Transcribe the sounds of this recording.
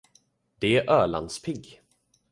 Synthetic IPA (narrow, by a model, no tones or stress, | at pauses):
d̪̥ɛæɾʔœːla̰nd̪spʰɪɡ